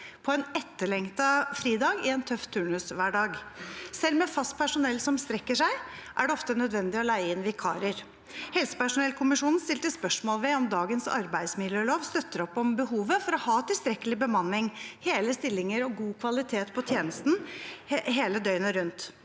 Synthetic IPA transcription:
pʰɔɛːnɛt̪ːəɭɛŋt̪ɑfɾiːd̪ɑːɡɪɛnt̪ʰœft̪ʰʉːɳʉsʋæːɖɑːɡsɛlmɛfɑst̪̚pʰæʂʊnɛlːsɔmst̪ɾɛkːəʂæɪʔæ̰ɖɛɔft̪ənœd̪ʋɛnd̪ɪɔlæɪəɪnʋɪkʰɑ̰ːɾəɾ | hɛlsə̥pæʂʊnɛlkʰʊmɪʂuːnnst̪ɪlt̪əspœʂmoːlʋɛɔmd̪ɑːɡənsɑ̰ɾbæɪd̪smɪd̪jøːloːʋst̪œt̪ːəɾɔpːɔmbəhuːʋəfɔɾɔhɑːt̪ɪlst̪ɾɛkːəlɪbəmɑnːɪŋheːləst̪ɪlːɪŋəɾɔɡuːkʰʋɑlɪt̪ʰeːt̪pʰɔt̪ʰjeːnəst̪n̩ | ɦeːləd̪œʏnəɾʉnt̪

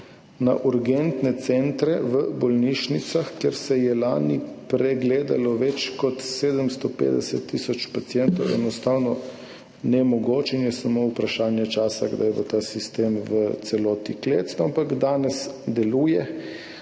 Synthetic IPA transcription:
na̰ʔuɾɡɛnt̪nɛt̪sɛnt̪ɾɛʋəbɔlniʃnit̪saxkjeɾsɛjɛlaːnipɾɛɡleːd̪alɔʋɛt͡ʃkɔt̪seːd̪əmst̪ɔpḛːd̪ɛsɛt̪ːisɔt͡ʃpat̪sijɛnt̪ɔwɛ̰nɔst̪aːwnɔ | nɛmɔɡoːt͡ʃinjɛsamoupɾaʃaːnjɛt͡ʃaːsaɡd̪ajɛbo̰t̪aːsist̪eːmʋət̪sɛlɔːt̪ikleːt̪snɔampaɡd̪aːnɛsd̪ɛluːjɛ

